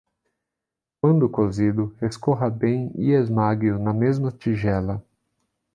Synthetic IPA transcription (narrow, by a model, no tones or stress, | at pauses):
kwɐ̃nd̪ʊkozid̪ʊeskoɦɐbẽj̃ḭezmaɡjʊnɐmezmɐt͡ʃiʒɛlɐ